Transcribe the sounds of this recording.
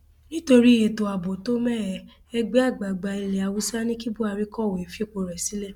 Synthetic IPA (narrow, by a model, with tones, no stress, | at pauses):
nĩ˦to˧ɾi˦˨je˧to˧a˨bo˨to˦mɛ˦˨ | ɛ˧ɡ͡be˦a˦˨ɡ͡ba˨ɡ͡ba˧i˧le˨a˧wu˨˦sa˦nĩ˦ki˦bu˦a˧ɾi˦kɔ˦˨we˨fi˦e˦˨k͡po˧ɾɛ˨si˨˦lɛ˦˨